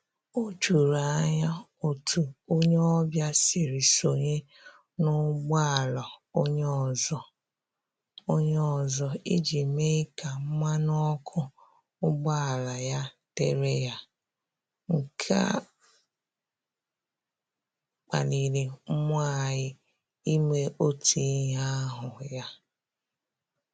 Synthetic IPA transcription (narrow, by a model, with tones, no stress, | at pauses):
o˦t͡ʃu˨ɾa˨˦ɲa˦o˨tʰu˨o˦ɲe˦ɔ˦bja˦si˨ɾi˨so˨ɲe˦ | nʊ˦ɡ͡ba˦˨la˨o˦ɲe˦ɔ˨zɔ˨ | o˦ɲe˦ɔ˨zɔ˨i˦d͡ʒi˨me˦ka˨m̩˦ma˦nɔ˦kʰʊ˦ | ʊ˦ɡ͡ba˦a˨la˨ja˦ | te˦ɾe˦ja˦ | ŋ̩˨kʰa̰˦ | k͡pa̰˨ni˨ɾe˨m̩˦m˦a˦˨ɪ˦ | i˦me˦ʔo˦ti˨˦ɦa˦ɦʊ˨ja˦